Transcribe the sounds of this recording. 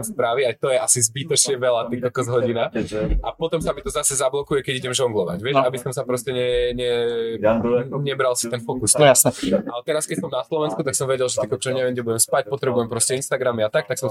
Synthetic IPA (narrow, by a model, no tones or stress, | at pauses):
spɾaːʋiajt̪ɔjɛʔasizbit̪ɔt͡ʃɪɛʋɛlat̪ikɔlkɔzɦɔɟinaʔapɔt̪ɔmsamit̪ɔzasɛzablɔkujɛkɛɟiɟɛmʒɔŋɡlɔʋa̰ɟʋɪɛʃabisɔmsapɾɔscɛɲɛɲɛ | ɲɛbɾalsit̪ɛnfɔkusasɛʔalɛt̪ɛɾaskɛcsɔmnaslɔʋɛnskut̪aksɔmʋɛɟɛlʒɛt̪ikɔt͡ʃɔɲɛʋɛmɟɛbuɟɛmspac̚pɔt̪ɾɛbujɛmpɾɔscɛinst̪aɡɾamiat̪ak̚t̪aksɔm